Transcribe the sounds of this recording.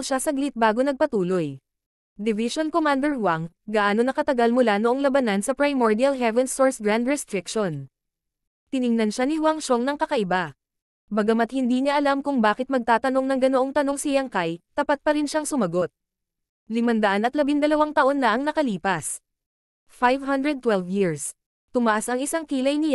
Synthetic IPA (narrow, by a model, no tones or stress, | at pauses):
lʃasɐɡlɪt̪̚baːɡo̞nɐɡ̚pɐt̪uːloj | d̪ɪvɪʃonkomand̪ɛɹwaŋɡɐʔaːnonːɐkɐt̪ɐɡalmʊlanoʔoŋlɐbɐnansɐpɹajmoɹd̪iɐlɦɛvɛnsoɹsɡɹand̪ɹɛst̪ɾɪkʃon | t̪ɪnɪŋnɐnʃanɪwaŋʃoŋnɐŋkɐkɐʔɪba | bɐɡɐmɐt̪̚hɪnd̪iːɲaʔɐlamkʊŋbaːkɪt̪̚mɐɡ̚t̪aːt̪ɐno̞ŋnɐŋɡɐnoʔoŋt̪ɐno̞ŋsɪjɐŋkajt̪ɐpat̪̚pɐɾɪnʃaŋsʊmɐɡo̞t̪̚ | lɪmɐnd̪ɐʔanʔɐt̪lɐbɪnd̪ɐlɐwaŋt̪ɐʔo̞nːɐʔɐŋnɐkɐliːpɐs | fajvɦɐnd̪ɹɛd̪̚t̪ːwɛlvjiɹs | t̪ʊmɐʔasʔɐŋʔɪsaŋkiːlɐjnɪ